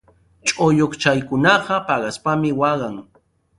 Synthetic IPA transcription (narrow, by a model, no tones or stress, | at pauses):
t͡ʃʼojoχt͡ʃajkʊnɑɢɑpɑɢɑspamɪwɑɢɑŋ